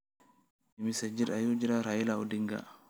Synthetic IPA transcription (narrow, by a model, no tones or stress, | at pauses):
imisad͡ʒiɾajud͡ʒiɾaɾajilaudiŋɡa̰